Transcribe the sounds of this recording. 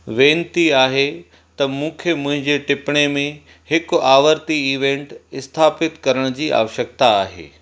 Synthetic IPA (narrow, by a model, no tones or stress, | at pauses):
ʋẽːnt̪iaːɦe | t̪ɐmũːkʰemʊ̃ɦɪ̃ɲd͡ʑeʈɪpɽ̃emẽ | hɪkʊaːʋəɾt̪iiːʋẽːɳʈɪst̪ʰaːpɪt̪kɐɾəɽ̃d͡ʑiːa̰ːʋəʃək̚t̪aaːɦḛː